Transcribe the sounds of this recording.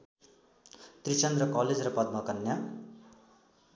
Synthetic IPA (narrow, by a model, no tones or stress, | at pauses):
t̪rit͡sʌnd̪rʌkʌled͡zrʌpʌd̪̚mʌkʌnja